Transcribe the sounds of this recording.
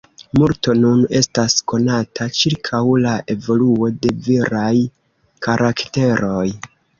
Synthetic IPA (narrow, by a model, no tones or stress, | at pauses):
muɾto̞nune̞stasko̞natʰat͡ʃiɾkʰawlaʔe̞vo̞luo̞de̞viɾaj | kʰaɾʔakte̞ɾo̞j